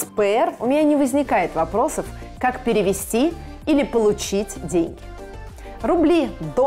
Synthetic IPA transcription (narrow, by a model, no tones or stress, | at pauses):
pɨɛrʊ̰mʲɪnʲanʲɪvəzʲnʲɪkajɪt̪vɐpɾo̞səf | kakpʲɪɾʲɪvʲɪsʲtʲi | ilʲɪpəlˠʊt͡ɕitʲdʲenʲɡʲɪ | ɾʊblʲid̪o